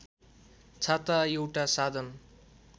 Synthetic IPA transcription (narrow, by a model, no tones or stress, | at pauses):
t͡sʰat̪aewʈasad̪ʱʌn